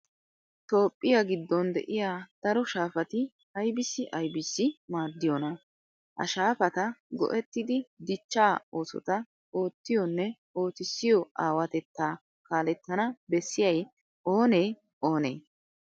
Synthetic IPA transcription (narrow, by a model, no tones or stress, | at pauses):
t̪o̞ːpʼːɪjaɡɪd̪ːɔnd̪ɛ̰ʔɪjaːd̪̥ɐɾɔʃaːfɐt̪ɪ | ɐjbɪsːɪʔɐjbɪsːɪmaːɾd̪ɪjɔnɐ | hɐ̰ʃaːfɐt̪ɐɡɔ̰ʔɛt̪ːɪd̪ɪd̪ɪt͡ʃːaːo̞ːsɔ̰t̪ɐ | o̞ːt̪ːɪjɔnːɛ | o̞ːt̪ɪsːɪjɔʔaːwɐt̪ɛt̪ːaː | kaːlɛt̪ːɐnɐbɛsːɪjɐj | ʔo̞ːneː | o̞ːnḛː